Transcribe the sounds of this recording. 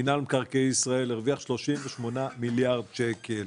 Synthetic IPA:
inalmkaʁkejisʁae̞leʁviaχʃlo̞ʃimveʃmo̞namiljaʁd̪̚t͡ʃekʰel

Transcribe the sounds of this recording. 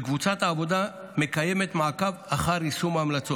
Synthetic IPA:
kvut͡sat̪aːvo̞d̪a | me̞kaje̞me̞t̪maːkavaχaʁisumamlat͡so̞

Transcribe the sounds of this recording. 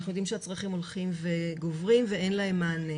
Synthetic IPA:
aχnujd̪imʃeat͡sʁaχimo̞lχimve̞ɡovʁimveenlaemːaːne

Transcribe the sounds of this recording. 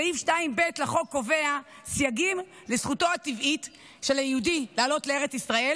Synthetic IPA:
aifʃtaimbetlaχo̞kːo̞ve̞a | sjaɡim | lesχuto̞at̪ivit | ʃe̞lajiudilaːlo̞tleeʁet͡sisʁae̞l

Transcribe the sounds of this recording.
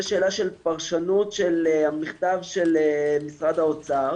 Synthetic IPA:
eʃeːlaʃelpaʁʃanut̪ʃelhamiχt̪avʃelemisʁad̪aot͡saʁ

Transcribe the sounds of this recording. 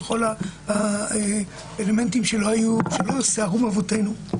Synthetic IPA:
exo̞lahae | ele̞me̞ntimʃeloajuʃelo̞seaʁumavo̞te̞nu

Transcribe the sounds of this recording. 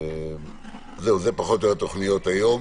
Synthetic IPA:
ze̞uzepaχo̞t̪joat̪o̞χnijo̞t̪ajo̞m

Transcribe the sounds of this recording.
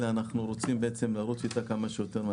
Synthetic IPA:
eanaχnuɾo̞t͡simbeet͡se̞mlaɾut͡sit̪akamaʃejo̞te̞ʁm

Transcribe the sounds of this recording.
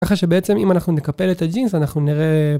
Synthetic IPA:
aχaʃe̞beet͡se̞mimanaχnune̞kape̞let̪ad͡ʒinzanaχnuniʁe̞

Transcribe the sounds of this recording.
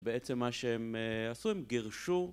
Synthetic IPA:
beet͡semːaʃeemasuimɡiʁʃu

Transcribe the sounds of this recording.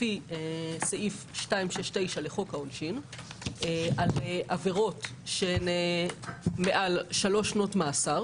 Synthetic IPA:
ieseʔifʃtaimʃeʃte̞jʃaleχo̞kaonʃin | ealeʔaveʁo̞tʃeene | meʔalʃalo̞ʃno̞tmaːsaʁ

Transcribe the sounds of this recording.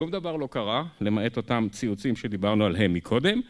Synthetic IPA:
umd̪avaʁlo̞kaʁale̞mae̞to̞t̪amt͡siut͡simʃe̞d̪ibaʁnualɦe̞mːikʰo̞d̪e̞m

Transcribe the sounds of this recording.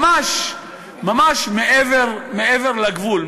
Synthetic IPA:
maʃ | mamaʃmeʔeveʁmeeveʁlaɡvul

